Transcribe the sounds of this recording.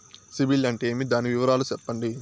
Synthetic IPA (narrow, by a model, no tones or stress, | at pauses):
sibilɐɳʈe̞ːmid̪aːniʋiʋɐɾaːlut͡ʃɛpːɐɳɖi